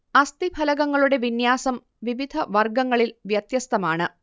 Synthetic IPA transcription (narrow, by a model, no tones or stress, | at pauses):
ɐst̪ibʱɐlɐɣɐŋːɐɭuɽe̞ʋinjaːsɐm | ʋiʋid̪ʱɐʋɐrɡɐŋːɐɭilʋjɐt̪jɐst̪ɐmaːɳɨ